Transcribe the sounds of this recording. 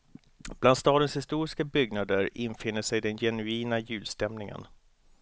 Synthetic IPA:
b̥land̪st̪ɑːd̪ənshɪst̪uːɾɪskabʏɡnad̪əɾɪnfɪnːəʂɛjd̪ɛnjɛnʉiːnajʉ̟ːlst̪ɛmnɪŋə̰n

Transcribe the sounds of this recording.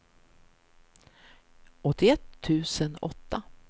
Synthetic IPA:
ʔɔt̪ːɪɛt̪ʰːʉ̟ːsənɔt̪ːa

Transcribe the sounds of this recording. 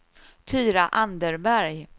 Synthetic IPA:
t̪ʰyːɾaʔand̪əɾbæɾj

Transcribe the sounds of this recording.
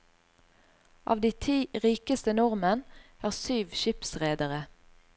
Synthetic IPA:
ʔɑ̰ːʋd̪iːt̪ʰiːʁiːkəst̪ənɔʁmənæːʁsyːʋʃɪpsʁeːd̪əʁə

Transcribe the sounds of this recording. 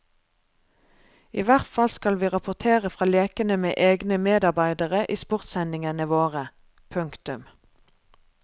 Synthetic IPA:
iːʋæʁt̪fɑlskɑlʋiːʁɑpʊʁt̪ʰeːʁəfʁɑːleːkənəmḛːʔeːɡnəmeːd̪ɑʁbæɪd̪əʁəʔiːspʊʁt̪sɛnɪŋənəʋoːʁə | pʰʉŋkt̪ʉm

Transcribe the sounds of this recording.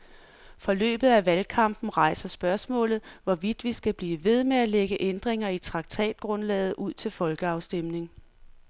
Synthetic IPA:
fɒ̽lø̰ːb̥ð̞̩ˠæʋælkʰɑ̈m̰b̥n̩ʁɑ̈ɪ̰sɐsb̥ɶɐsmɔ̰̽ːlð̩ˠʋɒʋid̥ʋisɡ̥æb̥liːʋe̝ð̞ˠmeæleɡ̥əʔend̥ʁeŋɐit͡sʰʁɑ̈ɡ̥̚t͡sʰɛ̰ːd̥̚ɡ̥ʁɔ̽nlɛ̰ːð̞̩ˠʔuð̰ˠt͡sʰe̝lfɒ̽lɡ̥əɑ̈ʊsd̥emne̝ŋ

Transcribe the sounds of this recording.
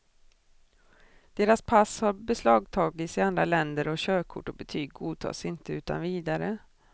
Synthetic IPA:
d̪̥eːɾaspʰashaɾbɛslɑːɡ̚t̪ʰɑːɡɪt̪sɪand̪ɾalɛnd̪əɾɔɕøːkʰʊʈːɔbɛt̪ʰyːɡɡuːt̪ʰɑ̰ːsɪnt̪əʉ̟ːt̪a̰nviːd̪aɾə

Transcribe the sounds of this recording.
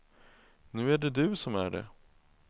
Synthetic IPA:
nʉ̟ːæɖɛd̪ɵːsɔmæ̰ɖɛ̰

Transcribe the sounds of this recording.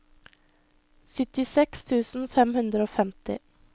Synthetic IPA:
sʏt̪ɪsɛkst̪ʰʉːsn̩fɛmhʉnd̪ɾəoːfɛmt̪ɪ̰

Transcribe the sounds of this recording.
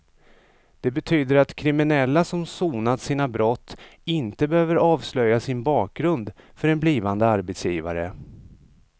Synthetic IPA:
d̪̥ɛbɛt̪ʰyːd̪əɾat̪kʰɾɪmɪnɛlːasɔmsuːnad̪siːnabɾɔt̪ʰːɪnt̪əbɛhøːvəɾɑːvslœjːasɪnbɑːk̚ɡɾɵnd̪fœɾɛnbliːvand̪əaɾbɛt̪sjiːva̰ɾə

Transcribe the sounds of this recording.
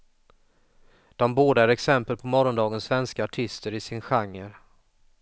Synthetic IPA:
d̪̥ɔmboːd̪əæɾɛksɛmpəlpʰɔmɔɾɔnd̪ɑːɡənsvɛnskaaʈʰɪst̪əɾɪsɪnɧaŋːəɾ

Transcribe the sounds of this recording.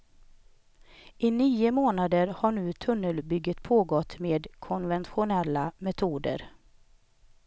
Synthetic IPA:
ʔɪniːʊmoːnad̪əɾhaɳʉ̟ːt̪ʰɵnːəlbʏɡːət̪pʰoːɡɔt̪ːmeːd̪kʰɔnvɛnt̪ɧʊnɛlːamɛt̪ʰuːd̪ə̰ɾ

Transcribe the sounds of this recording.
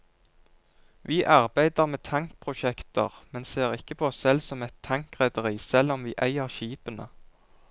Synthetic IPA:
ʋiːʔɑʁbæɪd̪əʁmeːt̪ʰɑŋk̚pʰʁʊʃɛkt̪əʁmɛnseːʁɪkəpʰoːssɛlsɔmɛt̪ʰːɑŋkʁɛd̪əʁiːsɛlɔmʋḭːʔæɪəʁʃiːpənə̰

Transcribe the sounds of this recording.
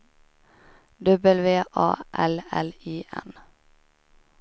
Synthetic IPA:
d̪œbəlʋeːʔɑ̰ːʔɛlɛliːʔɛ̰n

